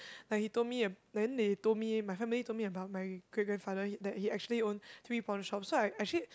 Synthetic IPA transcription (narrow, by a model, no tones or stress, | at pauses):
lakhitod̚miədɛ̃ndetod̚mimaɪfɛ̃militomiəbaʊt̚maɪɡɹɪt̚ɡɹɛ̃nfadədɛt̚hiɛk̚t͡ʃuəliõnt̪ʰɹipɔnəʃɔpsoaɪʔɛk̚t͡ʃuli